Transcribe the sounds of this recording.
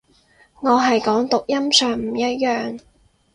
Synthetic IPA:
ŋɔː˨˧ɦɐ˨jkɔː˨˥ŋt̪ʊ˨k̚jɐ˥msœː˨˩ŋm̩˨˩jɐ˥t̚jœː˨ŋ

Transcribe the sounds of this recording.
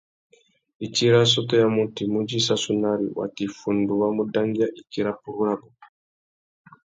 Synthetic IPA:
i˨t͡ʃi˦ɾa˦s̬ɔtɔ˦ja˦mu˦ti˨mu˦d͡ʒi˦sa˦su˦naɾḭ˨wa̰˨ti˨fu˨ndu˨wa˦mu˦da˦ŋɡi˦a˦ʔi˨kiɾapu˨ɾuɾabɔ˨

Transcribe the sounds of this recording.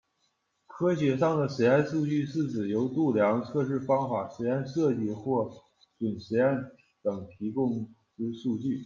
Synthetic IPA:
kʰɤ˥ɕjɛ˧˥ʂɑ˥˩ŋd̪ə˩ʂɛ˧˥a˥˧nʂu˥˧t͡ɕy˥˧sɹ̩˥˩t͡sɹ̩˨˩jo˧˥ʊt̪u˥˩ljɑ˧˥ŋt͡sʰɤ˥˧ʂ̬ɻ̩˥˩fɑ˥ŋfa˨˩ʂ̩˧˥a˥˧nʂɤ˥˧t͡ɕi˥˧xwɔ˥˩ | t͡swə˨˩nɕ̩˧˥a˥˩n | t̪ɤ˨˩ŋt̪ʰi˧˥kʊ˥ŋ | ʈ͡ʂ̩˥ʂu˥˧t͡ɕy˥˩

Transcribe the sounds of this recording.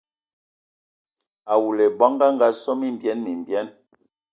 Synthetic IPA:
a˨wu˨lɛ˨ba˦ŋɡa˦ŋɡa˦sɔ˦mi˦m˨bjɛ˦nmi˨mbjɛ˦n

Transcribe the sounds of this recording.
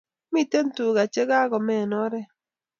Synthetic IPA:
mi˦te˦n˦tu˨ɡa˨t͡ʃe˦ɡa˦ɡɔ˨mɛ˦˨nɔ˦ɾɛ˦

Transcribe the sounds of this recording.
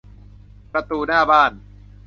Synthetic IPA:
pɾa˧t̪uː˧naː˥˩baː˥˩n

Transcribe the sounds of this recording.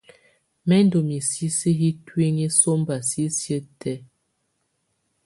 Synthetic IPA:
mɛ˦n˦do˨mi˨si˦si˦ɦi˦twi˦ŋi˦so˦m˦ba˨si˦sjə˦tɛ˦

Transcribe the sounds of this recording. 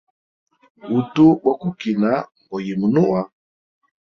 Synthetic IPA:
u˨tu˦bɔ˦ku˦ki˨na˨˦m˨bɔ˨ji˨mu˨nu˦wa˦

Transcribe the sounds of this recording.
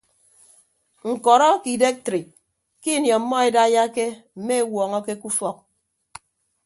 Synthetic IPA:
ŋ̩˨kɔ˨ɾɔ˦ki˨de˦k̚tɾi˨k̚ | ki˦˨njɔ˨˦mːɔ˦e˨da˦ja˦ke˦m̩˨me˦e˦wɔː˨ŋɔ˦ke˦ku˦fɔ˦k̚

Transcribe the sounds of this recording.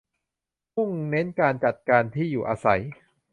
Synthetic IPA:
mu˥˩ŋne˦˥nkaː˧nt͡ɕa˨˩t̪̚kaː˧nt̪ʰiː˥˩juː˨˩ʔaː˧sa̰˩˦j

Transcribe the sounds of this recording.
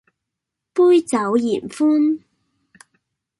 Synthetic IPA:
puː˥jt͡sɐ˨˥wjiː˨˩nfuː˥n

